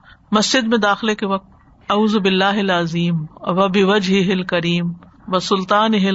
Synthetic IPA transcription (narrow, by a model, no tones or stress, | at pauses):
mɐsd͡ʒɪd̪mẽd̪aːxɪlekeʋɐk̚t̪̚ | ɐuːzbɪlːaːɦɪlɐziːmʋɐbɪʋɐd͡ʒɦɪɦɪlkɐɾiːm | ʋɐsʊlt̪aːnɪɦɪ